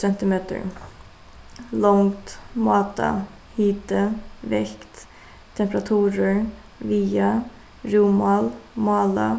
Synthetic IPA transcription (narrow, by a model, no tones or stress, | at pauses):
ɛnt̪ɪmeːt̪ə̰ɹ | lɔŋt̪mɑːt̪ʰɑ̰ | hiːt̪əʋɛkt̪ | t̪ʰɛmpɾɑt̪ʰʉːɾəɹ | ʋiːɑ | ɾuːmɑlmɑːlɑ